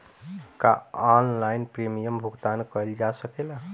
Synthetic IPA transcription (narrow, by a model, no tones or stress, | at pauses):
ka̰ɔnlajnpɾemijəmbʱuɡt̪ankəjld͡ʒasəkela